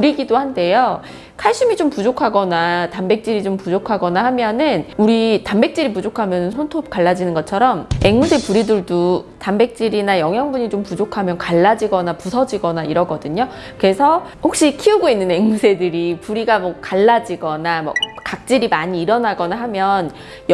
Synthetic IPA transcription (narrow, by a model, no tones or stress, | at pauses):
puɾiɡidohande̞jo | kʰaɭɕ͈umit͡ɕompud͡ʑokʰaɡʌnatambe̞k̚t͡ɕ͈iɾid͡ʑompud͡ʑokʰaɡʌnahamjʌnɯnuɾitambe̞k̚t͡ɕ͈iɾipud͡ʑokʰamjʌnɯnsʰontʰop̚k͈aɭːad͡ʑinɯnɡʌt͡ɕʰʌɾʌmeŋmusʰe̞puɾidɯɭdutambe̞k̚t͡ɕ͈iɾinajʌŋɦjʌŋbuɲit͡ɕompud͡ʑokʰamjʌnkaɭːad͡ʑiɡʌnapusʰʌd͡ʑiɡʌnaiɾʌɡʌdɯɲo | kɯe̞sʰʌhok̚ɕ͈ikʰiuɡoinːɯne̞ŋmusʰe̞dɯɾipuɾiɡamʌkaɭːad͡ʑiɡʌnamʌ̰kak̚t͡ɕ͈iɾimaɲiːɾʌnaɡʌnaɦamjʌn | j